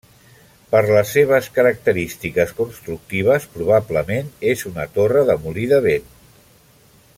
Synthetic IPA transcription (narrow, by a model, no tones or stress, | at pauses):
pəɾləsːeβ̞əskəɾək̚t̪əɾist̪ikəskunst̪ɾuk̚t̪iβ̞əspɾuβ̞apləmenezunət̪orəðəmuliðəβen